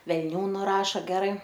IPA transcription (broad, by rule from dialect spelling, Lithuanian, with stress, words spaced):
ʋʲɛlʲˈnʲuː nʊˈrɑːʃɐ ˈɡʲæːrɐɪ